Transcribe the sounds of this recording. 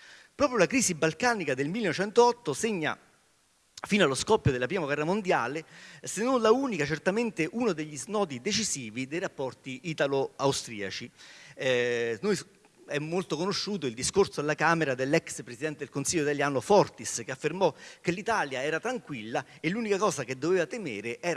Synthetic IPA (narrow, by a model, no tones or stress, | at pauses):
pɾɔːpɾjolakɾiːsibalkaːnikad̪elmilːenot͡ʃɛnt̪oɔt̪ːoseɲːa̰ | fiːnaloskɔpːjod̪elːapɾiːmaɡwɛrːamond̪jaːlesenːonlauːnikat͡ʃert̪ament̪eʔunod̪eʎːiznɔːt̪id̪et͡ʃiziːvid̪ejrapːɔrt̪iʔit̪aloawst̪ɾiːat͡ʃi | noj | ɛmːolt̪okonoʃːuːt̪oild̪iskorsoalːakaːmeɾad̪elːɛkspɾesid̪ɛnt̪ed̪elkonsilʎːoit̪aljaːnofɔrt̪iskeafːermɔk̟elːit̪aːljaɛːɾat̪ɾaŋkwilːa | elːuːnikakɔːsaked̪ːoveːvat̪emeːɾeʔɛːɾa